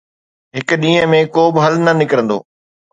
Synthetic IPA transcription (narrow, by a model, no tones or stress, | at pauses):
ɦɪk̆ɗĩːɦə̃mẽkoːbɪɦɐlnɐnɪkəɾə̃nd̪o̰ː